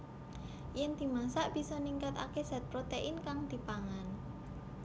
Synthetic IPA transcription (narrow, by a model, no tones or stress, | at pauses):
jɛnd̪̥i̤masaʔb̥i̤sɔniŋkat̪a̰kez̥a̤t̪̚pɾot̪eʔɪnkaŋd̪̥i̤paŋan